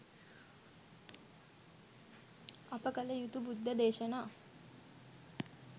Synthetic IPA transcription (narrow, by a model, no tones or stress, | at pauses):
apəkələjut̪ubud̪ʱːəd̪eːʃənaː